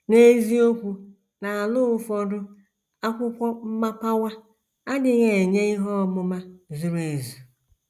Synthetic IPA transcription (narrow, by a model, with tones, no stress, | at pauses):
ne˦zi˦o˦kʷu˨ | na˨a˨lʊ˦ʊ˦fɔ˦dʊ˦ | a˦kʷʊ˦kʷɔ˦m̩˦ma˦pa˦wa˦ | a˦dɪ˦ɣe˨ɲe˦i˦ɦɔ˦˨mʊ˦ma˦zu˨ɾu˨e˨zu˨